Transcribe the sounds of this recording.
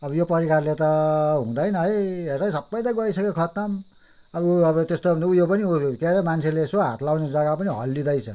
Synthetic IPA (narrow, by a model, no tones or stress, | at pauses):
ʌbʌjopʌɾikarlet̪ʌɦũd̪ʌjnʌjerʌjsʌbːʌj̃t̪ʌɡʌisʌkekʰʌt̪ʌm | ʌbʌuʌbʌt̪est̪obʌnd̪ujopʌniukeɾemant͡sʰelesoɦa̰t̪lawned͡zʌɡapʌniɦʌ̰lːid̪ʌjt͡sʰʌ̰